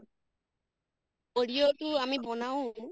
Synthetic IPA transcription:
oɽiotuamibɔnawõ

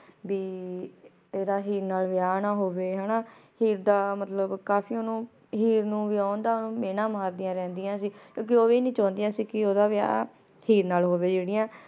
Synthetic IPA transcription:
biː | eːɾaːɦiːɾnaːlʋɪjaːnaːɦoːʋeːɦɛːnaːhiːɾd̪aːmət̪ləbkaːfʰiːonũː | ɦiːɾnũːʋɪaːõnd̪aːʊnũːmeːnãːmaːɾd̪ɪjãːɾɛ̃ːnd̪ɪjãːsiːkjõːk̬ɪoːʋiːnĩːt͡ʃãːnd̪ɪjãːsiːkɪoːd̪aːʋɪja̰ː | hiːɾnaːlɦoːʋeːd͡ʒeːɽɪjãː

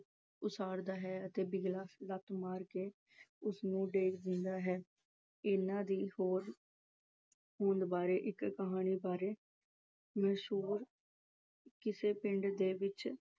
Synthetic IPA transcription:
ʊsaːɾd̪aːɦɛːət̪eːbɪɡlaːslət̪maːɾkeː | ʊsnũːɖeːkʰd̪ɪnd̪aːɦɛː | ɪnãːd̪iːhoːɾ | hõːnd̪baːɾeːʔɪkkəɦaːñiːbaːɾeː | mɛːʃuːɾ | kɪseːpɪɳɖd̪eːʋɪt͡ʃ

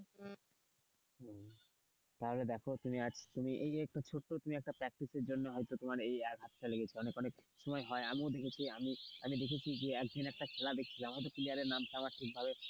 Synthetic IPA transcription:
t̪aɦoled̪ɛkʰot̪umiad͡ʑʰt̪umiʔejɛk̚ʈat͡ɕʰoʈːot̪umiɛk̚ʈapɾɛk̚ʈiseɾd͡ʑonːoɦɔjt̪ot̪omaɾejɛkɦat̪ːaleɡet͡ɕʰiɔnekɔnekʃɔmɔeɦɔeamiod̪ekʰet͡ɕʰiamiamid̪ekʰet͡ɕʰid͡ʑeɛk̚d̪ʱinɛk̚ʈakʰelad̪ek̚ʰt͡ɕʰiamɦɔjt̪̬opiliaɾeɾnamt̪amaɾʈʰik̚bʱabe

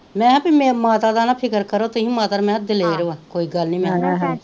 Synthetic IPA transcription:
mɛ̃ːɦãpimemaːt̪aːd̪aːnapʰɪkəɾkəɾoːt̪ʊɦĩːmaːt̪aːmɛ̃ːd̪ɪleːɾʋaːkoːiːɡəlnĩːmɛ̃ː

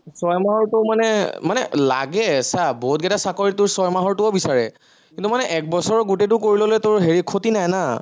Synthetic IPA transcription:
sɔjmaɦɔɹtʊmanɛmanɛlaɡɛsaboɦut̚ɡɛtasakoɹitʊɹsɔjmaɦɔɹtʊɔbisaɹɛ̰ | kintumanɛʔɛk̚bɔsɔɹɡutet̬ʊkoɹilolojtʊɹɦeɹikʰotinajna

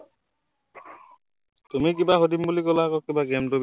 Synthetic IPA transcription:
t̪umik̬ibaɦod̪imbulikɔlakɔkːibaɡɛmtob

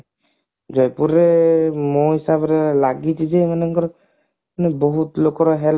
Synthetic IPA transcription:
d͡ʒɔjpuɾɛmoɦisabɔɾɛlaɡitʰizɛmanɛkɔɾ | manɛboɦut̪lokɔɾɔɦɛl

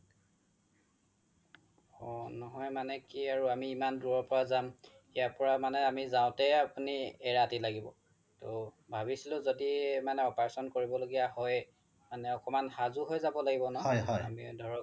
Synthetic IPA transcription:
ɔnɔɦɔjmanɛkiaɹuamiːmanduɹɔɹpɔɹazam | ijaɹpɔɹamanɛamizaʊ̃tɛapuniɛɹatilaɡibɔ | tobʱabisilʊ̃zodimanɛɔpaɹsɔnkoɹibɔloɡijaɦɔj | manɛɔkɔmanhazuɦojzabɔlaɡibɔnɔɔɦɔa̰mḭdʱɔɹɔ

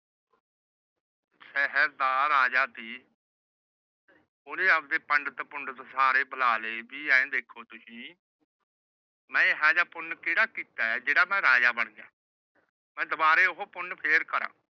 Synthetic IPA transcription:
sɛɦəɾd̪aːɾaːd͡ʒaːt̪iː | ʊːnẽːəpd̪eːpəɳɖt̪epʊɳɖt̪ːsaːɾeːbʱəlaːleːbiːɛ̃ːd̪eːkʰoːt̪ʊsĩː | mɛ̃ːɦaːd͡ʒaːpʊnkeːɽaːkiːt̪aːɛːd͡ʒeːɽaːmɛ̃ːɾaːd͡ʒaːbəɳ̃a̰ː | mɛ̃ːd̪əbaːɾeːʊɦoːpʊnpʰeːɾkəɾã̰ː

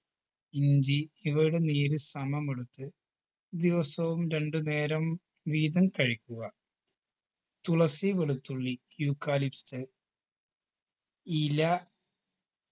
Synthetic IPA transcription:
iɲd͡ʑiiʋɐɾuɽeniːɾɨsɐmɐmeɭut̪ːɨ | d̪iʋɐsɐʋumɾe̞ɳɖɨne̞ːɾɐm | ʋiːd̪ɐmkɐɻikʲːuɣɐ | t̪uɭɐsiʋeɭut̪ːuɭːijuːkːaːlipst̪ɨ | ilɐ

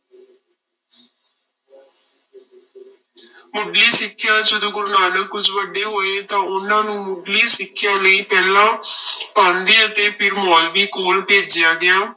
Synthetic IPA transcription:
mʊɖliːsɪkʰːɪjãːd͡ʒəd̪õːɡʊɾnaːləkʊt͡ʃʰʋəɖːeːɦoːeːt̪ãːʊnãːnũːmʊɖliːsɪkʰːjãːləiːpɛːlãːpãːnd̪eːət̪eːpʰɪɾmɔːlʋiːkoːlpeːd͡ʒjaːɡɪaː

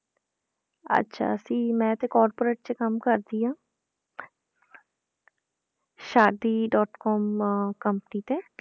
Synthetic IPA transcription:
ə̰tːʃʰa̰ːəsĩːmɛ̃ːt̪ẽːkɔːɾpoːɾeːʈ̚t͡ʃekəmkəɾd̪iːãː | ʃaːd̪iːɖɔːʈkɔːmkəmpəniːt̪eː

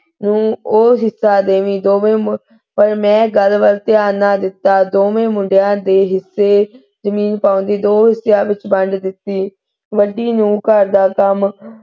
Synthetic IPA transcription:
nũːoːɦɪsːaːd̪eːʋĩːd̪oːʋẽːm | pəɾmɛ̃ːɡəlʋəlt̪ɪaːnaːd̪ɪt̪ːaːd̪oːmẽːmʊɳɖejãːd̪eːɦɪsːeː | zəmiːnpaːʊnd̪iːd̪oːɦɪsjãːʋɪt͡ʃbəɳɖd̪ɪt̪ːiː | ʋəɖiːnũːkəɾd̪aːkəm

